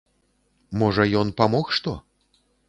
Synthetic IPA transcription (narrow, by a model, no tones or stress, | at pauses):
mɔʐɐjɔnpamɔxʂt̪ɔ